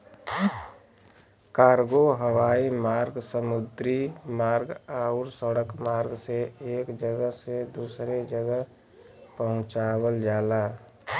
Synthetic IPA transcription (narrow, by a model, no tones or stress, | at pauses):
kaːɾɡoɦəwaːimaːɾɡsəmʊd̪ɾimaːɾɡaːʊɾsəɽəkmaːɾɡseeːkd͡ʒəɡəɦsed̪uːsɾed͡ʒəɡəɦ | pəɦʊ̃t͡ʃaːwəld͡ʒaːlaː